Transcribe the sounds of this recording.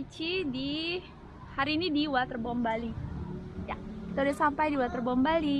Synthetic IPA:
t͡ʃidi | haɾiːnidiwat̪ərbɔmbali | jakit̪audasampajdiwat̪ərbɔmbali

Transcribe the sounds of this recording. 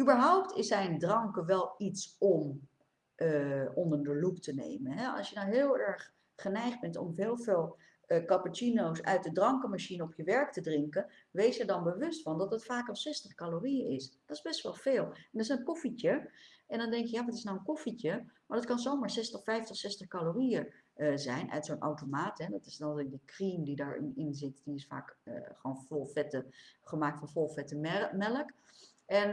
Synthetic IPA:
ybəɹɦɔwptɪsɛjndrɑŋkəʋɛlˠitsɔm | ʔəɔndəɹdəluptənḛjmənɦɛɑ̰sjənɔwɦɪːlˠɛɹχ | χənɛjχd̚bɛntɔ̰mɦɪːlˠvɪːlˠ | kɑpat͡ʃinowsœ̰ɥt̚dədrɑŋkəmaʃinəɔpjəʋɛɹktədrɪŋkən | ʋejsədɑnbəʋɵstfɑndɑtətfaːkɑlˠsɛstəχkaloːrijəɪsd̥ɔtɪzbɛstʋɛlˠfeːlˠɛndəsɛnkoficəʔɛndɔndɛŋkjəjaːʋɑtɪsnawənkoficəmaːɹdɑtkɑnzowmaːɹsɛstəχfɛjftəχsɛstəχkaloːriəzɛjnʔœ̰ɥtsoːnʔa̰wtomaːtɦɛdɔtɪsdɔɪk̚dəkrimdidaːɹɪ̰nɪnzɪtdiɪsfa̰ːkə̰χoːnflˠfɛtəχəmaːk̚tfɑnfɔlˠfɛtəmɛmɛlək | ʔɛn

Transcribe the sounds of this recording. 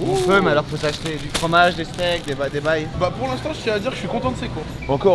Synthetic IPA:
efømɛalɔʁifosaʃt̪ed̪yfχɔmaʒd̪est̪ɛk̚d̪ebad̪ebajbapuʁlɛ̃st̪ɑ̃ʒət̪jɛ̃ad̪iʁkəʃɥikɔ̃t̪ɑ̃d̪əsekwa | ɑ̃kɔ

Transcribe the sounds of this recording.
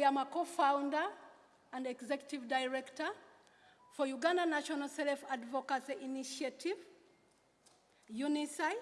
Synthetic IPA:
amakofãʊ̃ndə | ãndɛkzɛkjutivdaɪɹɛktə | fɔjuɡãndanaʃɔnalsɛlfadvɔkasiiniʃatʰiv | junisaɪ

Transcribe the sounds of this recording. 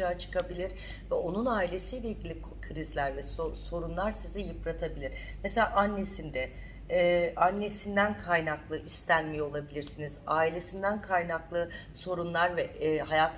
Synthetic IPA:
aːt͡ʃʰɯ̥kʰabilʲiɾ | vɛo̞nunaːilʲe̞sijlʲejilɟilʲi | kʰɯɾizlʲæɾvɛsso̞ɾunlˠaɾsizɛjɯpɾat̪ʰabilʲiɾmeselʲaːʔanːe̞sind̪ɛ | ʔanːe̞sind̪ænkʰajnaklˠɯʔist̪ʰænmijolˠabilʲiɾsinizaːilʲe̞sind̪ænkʰajnaklˠɯ | so̞ɾunlˠaɾvɛɦajaːt̪ʰ

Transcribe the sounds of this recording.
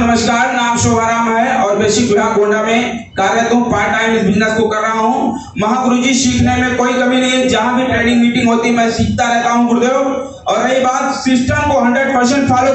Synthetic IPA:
nɐməʃkaːɾnaːmʃoːaːɾaːmɦɛɔːɾbeːʃiɡʊɽ̤ãɡõːɳɖamẽ | kaːɾjət̪ũpaːʈaːɪmsbɪd͡ʒnəskokɐɾɾaɦaɦũː | mɐɦãkʊɾud͡ʑiʃiːkʰnemẽkoːikɐminɐɦĩɛ̃d͡ʒɐɦãbʱɪʈɛ̃ːɽɪ̃ŋmiːʈɪ̃ŋɦoːt̪imɛ̃ːsiːk̚ʰt̪aɾɛɦt̪aɦũɡʊɽd̪ejo | ɔːɾɐɦibaːt̪sɪsʈəmkoɦɐ̃ɳɖɾeɖpɐɾs̬ə̃npʰaːl

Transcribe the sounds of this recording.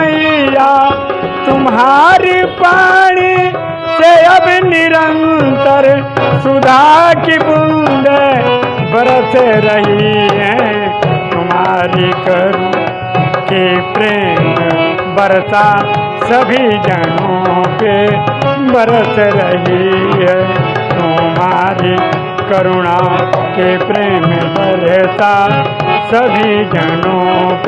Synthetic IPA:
ɦija | t̪umɦaɾipaɽ̃i | t̪ejabiniɾənt̪əɾsud̪ʱakipund̪ebʱəɾt͡sʰeɾəɦiɦẽ | t̪umaɾikəɾ | kipɾeːm | bɐɾsa | sɐbʱid͡ʒɐnoke | bɐɾseɾɐɦiɦɛt̪ʊmaːɾi | kɐɾʊɽakipɾeːmbɐɾet̪a | səbʱid͡ʒɐnop

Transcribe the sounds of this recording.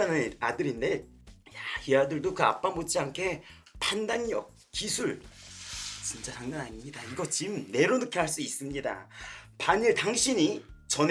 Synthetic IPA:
anɯadɯɾinde | jahiadɯɭdokɯa̰p͈amot͡ɕʰiaŋkʰe̞ | pʰandaɲiʌk̚ | kisʰuɭ | t͡ɕint͡ɕ͈asʰaŋnanaɲimɲidaiɡʌt͡ɕimne̞ɾonɯkʰjʌɦaɭs͈uis͈ɯmɲida̰paɲiɭtaŋɕʰiɲit͡ɕʌn

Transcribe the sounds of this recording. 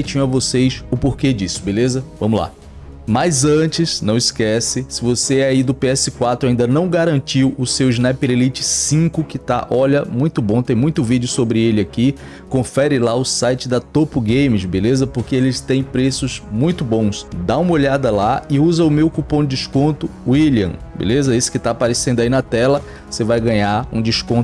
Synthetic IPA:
t͡ʃĩɲ̃avosejsʊpoɾked͡ʒisʊ̥belezɐvɐ̃mʊla̰ | majzɐ̃t͡ʃɪsnɐ̃w̃ɪskɛsɪsɪvoseɛaid̪ʊpeɛsɪkwat̪ɾʊaĩnd̪ɐnɐ̃w̃ɡaɾɐ̃nt͡ʃiwʊsewɪznɛpeɾelit͡ʃɪ̥sĩkʊkɪt̪a̰ʔɔʎɐmũj̃t̪ʊbõt̪ẽj̃mũj̃t̪ʊvid͡ʒʊsobɾɪelɪaki | kõfɛɾɪlaʊsajt͡ʃɪd̪ɐt̪opʊɡẽjmɪzbelezɐpoɾkeelɪst̪ẽj̃pɾesʊzmũj̃t̪ʊbõw̃sd̪aũmɐoʎad̪ɐlaɪuzɐʊmewkupõd̪ɪd͡ʒɪskõnt̪ʊwiliɐ̰̃bḛlezɐesɪ̥kɪt̪aapaɾesẽnd̪ainɐt̪ɛlɐ | osevajɡɐ̃ɲaɾṵ̃d͡ʒiskõt̪ʊ

